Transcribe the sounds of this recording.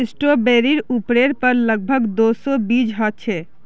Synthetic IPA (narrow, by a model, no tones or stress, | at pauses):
ɪsʈobeɾiɾupɾeɾpəɾləɡ̚bʱəɡd̪osobid͡ʒɦɔt̪ːt͡ʃʰe